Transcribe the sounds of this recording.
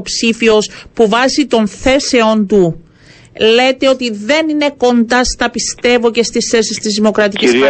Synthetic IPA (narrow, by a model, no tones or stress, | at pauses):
psifio̞spuvɐzit̪o̞nθe̞se̞o̞nt̪u | le̞t̪e̞o̞t̪iðe̞nine̞ko̞nd̪ɐst̪ɐpist̪e̞vo̞ce̞st̪isθe̞sist̪izðimo̞kɾɐt̪iciss